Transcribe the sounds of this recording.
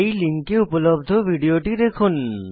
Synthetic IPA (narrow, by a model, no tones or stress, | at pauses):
jliŋkeupolobd̪ʱobʱiɖioʈid̪ekʰun